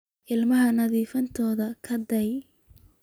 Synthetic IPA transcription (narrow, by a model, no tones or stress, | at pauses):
ʔɪlmɐɦɐnɐðiːfɐnt̪ʰɔːðɐkʰɐd̪ɐj